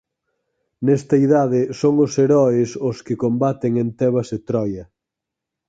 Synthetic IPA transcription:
nɛst̪ɐiðaðɪsoŋʊseɾɔɪsʊskɪkombat̪eŋent̪ɛβɐset̪ɾɔjɐ

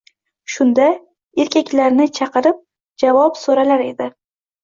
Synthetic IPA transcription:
ʃʊnd̪a | e̞ɾkʲʰakʲlaɾnɪt͡ʃʰɑqɨɾɪp̚ | d͡ʒavɒpsoɾalaɾe̞d̪ɪ

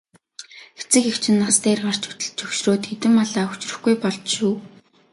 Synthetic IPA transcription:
xet͡sɘ̆kekt͡ɕʰɪ̆nːast̪eːrɢar̥t͡ɕɵ̥t̪ɵ̆ɮt͡ɕɵwʃroːt̪xet̪ɘ̆mːɔɮaːɵt͡ɕrɵ̆xɡujpɔɮt͡ɕʃuː

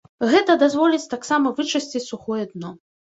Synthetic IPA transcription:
ɣɛt̪ɐd̪azvɔlʲit͡sʲt̪aksamɐvɨt͡ʂɐsʲt͡sʲit͡sʲsuxɔjɛd̪nɔ

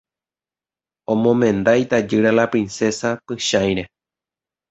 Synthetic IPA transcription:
õmõmẽ̞nd̪ajt̪ad͡ʒɨɾalapɾĩnse̞sapɨʃãj̃ɾe̞

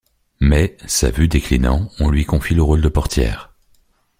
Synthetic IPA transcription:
mɛsa̰vyd̪eklinɑ̰̃ɔ̃lɥikɔ̃filəʁold̪əpɔʁt̪jɛ̰ːʁ

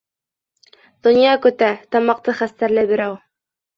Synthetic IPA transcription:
d̪̥ŏnjɑkɵ̆t̪æt̪ɑmɑq̚t̪ɤχæst̪æɾlæbiɾæw

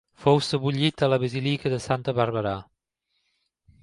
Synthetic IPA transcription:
fowsəβuʎit̪ələβəzilikəðəsant̪əβəɾβəɾa

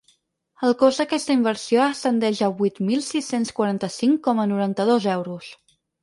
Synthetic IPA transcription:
əlˠkozd̪əkɛst̪əimbəɾsioəst̪ənd̪ɛʒəβujt̪milˠsisenskwəɾant̪əsiŋkɔmənuɾant̪əðozɛwɾus

